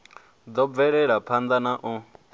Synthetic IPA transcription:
d͡z̪ɔb̪vɛɺɛɺapʰand̪anaʔɔ

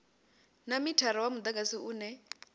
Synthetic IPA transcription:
namitʰaɾiwamud̪ak̬ʼasiuːnɛ

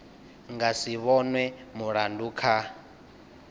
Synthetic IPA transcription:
ŋɡasiβɔnwɛmuɺanduːkʰa

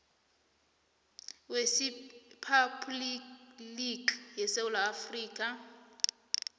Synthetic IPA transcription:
wesipʰapʰʼliliɡjɛsewulaːfriːkʼa

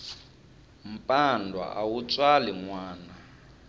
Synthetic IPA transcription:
m̩pʼandʱwa̰ʔawut͡sʼwaliŋwaːna

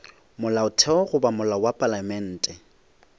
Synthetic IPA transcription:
mʊlaʊtʰɛɔɣʊbamʊlawapʼalamɛn̩ːtʼɛ

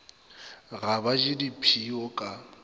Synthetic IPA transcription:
ɣabad͡ʒɪdipʰiɔkʼa

